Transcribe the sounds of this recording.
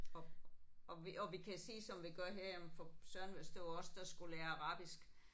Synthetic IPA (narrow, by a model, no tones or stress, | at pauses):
ɒ | ɒʋiɒ̽ʋikʰæsḭːsɒ̽mʋiɡ̥ɶɐ̰ɦeɐ̰emfɒsɶɐnʋesd̥oɒ̽sd̥ɑsɡ̥ulæːɐɑ̈ʁɑ̈ːb̥isɡ̥